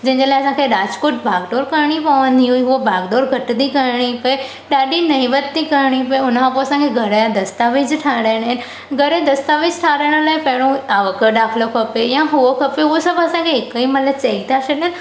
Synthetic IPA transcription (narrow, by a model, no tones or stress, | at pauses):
d͡ʑɐ̃ɦɪ̃ɲd͡ʑelaːɪɐsãkʰeɾaːd͡ʑkoʈ̚bʱaːɡd̪oːɾkɐɾɽ̃ipɐʋə̃nd̪ʱiɦuiɦʊobʱaːɡɖ̪oːɾɡʱɐʈd̪ikɐɾɽ̃ipɐe | ɗaːɗinɐĩʋət̪t̪ikɐɾɽ̃ip̬ɐeʊnkʰãpoɐsãkʰeɡʱɐɾaãd̪ɐst̪aːʋɪd͡ʑʈʰaːɽaːɪɽ̃an | ɡʱɐɾed̪ɐst̪aːʋɪd͡ʑʈʰaːɾajɽ̃əlaːɪpɐɦɪɽ̃oaːʋəkəɗaːkʰlokʰɐpejãɦʊokʰɐpeɦʊosɐbʱɐsãkʰeɦɪkəimɐt̪ləbt͡ɕɐit̪ʰaʃɐɗan